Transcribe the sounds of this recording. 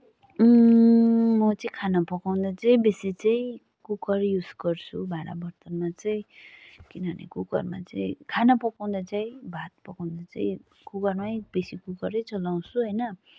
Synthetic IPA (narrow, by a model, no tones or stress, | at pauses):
mʌt͡sʌĩkʰanapʌkaw̃nd̪at͡sʌĩbesit͡sʌĩ | kukʌrjusɡʌrt͡sʰubʱaɾa̰bʌrt̪ʌnmat͡sʌĩkinʌʌnḛkukʌ̰rma̰t͡sʌ̰ĩkʰanapʌkaw̪̃d̪at͡saĩbʱat̪̚pʌkaw̃nd̪at͡sa̰ĩ | kukʌrmajbesikukʌɾʌjt͡sʌlaw̃sʰuɦʌjnʌ